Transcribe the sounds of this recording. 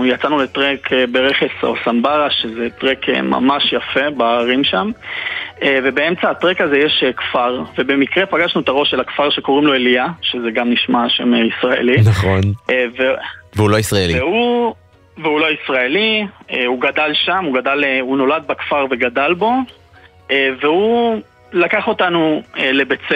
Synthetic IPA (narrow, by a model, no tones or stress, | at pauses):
jat͡sanule̞tʁekʰebeʁeχeso̰sambaʁaʃezet̪ʁekʰḛma̰maʃjafe̞baʁimʃam | eve̞beemt͡saːt̪ʁekazejeʃekfaʁve̞be̞mikʁe̞paɡaʃnuet̪aʁo̞ʃelakfaʁʃe̞ko̞ʁimlo̞elijaʃezeɡamniʃmaʃe̞̰meisʁaḛlinaχonveveuloisʁaeliveu | veulo̞isʁaelieuɡadalʃamuɡadaleuno̞lad̪̚bakfaʁve̞ɡadalbo̞ | eve̞hu | lakaχo̞tanuele̞bet͡se